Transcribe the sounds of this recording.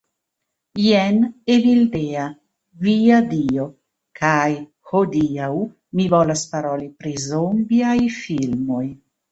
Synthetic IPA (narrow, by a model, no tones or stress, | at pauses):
jenevild̪ea | viad̪io | kʰaj | hod̪iaw | mivolaspaɾolipɾizombiajfilmo̞j